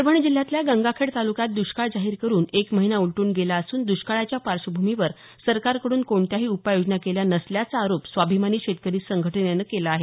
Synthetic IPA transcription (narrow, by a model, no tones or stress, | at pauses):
ɾbʱəɳid͡ʑil̤ːjat̪ljaɡəŋɡakʰeɽt̪alukat̪̚d̪uɕkaɭd͡zaɦiːɾkəɾuːnekməɦinauɭʈuːnɡelaəsuːnd̪uɕkaɭat͡ɕjapaɾɕəbʱumiʋəɾ | səɾkaɾkəɽuːnkoɳt̪jaɦiːupajod͡ʑnakeljanəsljat͡saːɾopsʋabʱimaniːɕet̪kəɾiːsəŋɡʱəʈʰənjanəkelaːɦe